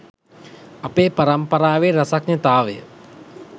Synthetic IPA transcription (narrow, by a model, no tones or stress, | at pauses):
ɐpeːpɐɾɐmpɐɾaːʋeːɾɐsɐk̚nət̪aːʋḛ